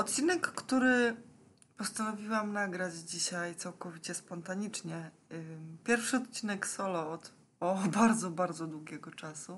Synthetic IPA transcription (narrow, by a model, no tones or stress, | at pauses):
ɔt̪̚t͡ɕinɛkːt̪uɾɘ | pɔst̪anɔvʲiwamnaɡɾad͡ʑd͡ʑiɕajt̪sawkɔvʲit͡ɕɛspɔnt̪aɲit͡ʂɲɛ | pʲjɛɾfʂɘɔt̪̚t͡ɕinɛksɔlɔɔt̪ | ɔbaɾd̪zɔbaɾd̪zɔd̪wuɡʲɛɡɔt͡ʂasu